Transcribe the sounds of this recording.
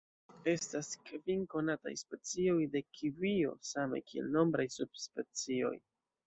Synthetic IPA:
e̞staskviŋko̞nata̰jspe̞t͡sio̞jde̞kʰivio̞̰sama̰jkʰie̞̰lno̞mbɾajsub̥̚spe̞t͡sio̞̰j

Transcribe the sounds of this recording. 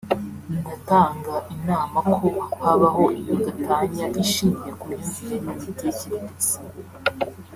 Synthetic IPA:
indataːŋɡaʔinaːmakʰohaβaɦo̞ʔijodatʰaɲaʔiʃiːɲijekumjuːɱviɾenifitieciɾiizi̥

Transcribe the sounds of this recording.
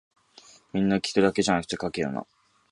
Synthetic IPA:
mʲĩnːakʲi̥t̪od̪ake̞ʑanakɯ̟̥t̪e̞kake̞jo̰ːna̰

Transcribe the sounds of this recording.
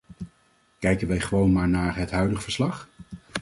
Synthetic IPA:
kɛjkənʋɛjχəʋownmaːɹnaːɹɦətɦœɥdəχəv̥əɹslɑχ

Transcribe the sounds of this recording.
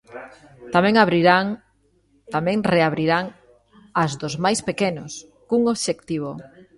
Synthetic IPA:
t̪amɛ̃ŋaβɾiɾaŋ | t̪amɛ̃ŋreaβɾiɾaŋ | azðozmajspekenos | kuŋoβʃekt̪iβ̞o

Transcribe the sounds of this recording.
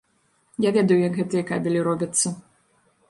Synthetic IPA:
javʲɛd̪ɐjujɐkɣɛt̪ɨjɐkabʲɛlʲiɾɔbʲɐt̪sːɐ

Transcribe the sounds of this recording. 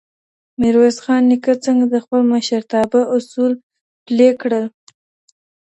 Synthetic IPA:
mɪɾwezxɑnːikat͡səŋɡad̪əxpəlməʃəɾt̪ɑbaʔʊsul | plekɽəl

